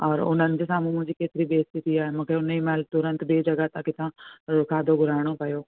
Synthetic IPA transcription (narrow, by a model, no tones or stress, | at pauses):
ɔːɾʊ̰n̤ənɪ̆d͡ʑɪsãmũːmʊ̃ɦɪ̃ɲd͡ʑikeːt̪ɪɾibeːst̪ɪt̪iaːɦemũːkʰeʊnimɛːlt̪ʊɾə̃nt̪beːd͡ʑɐɡat̪ãːkɪt̪ʰãɾʊkʰaːd̪ʱoɡʱʊɾaːɪɽ̃opɐjoː